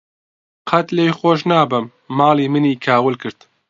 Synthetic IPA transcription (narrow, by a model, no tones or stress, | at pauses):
qʰɐt̪leːjxoːʃnaːbɨmː | aːliːmɨniːkʰaːwɨlkɨɾt̪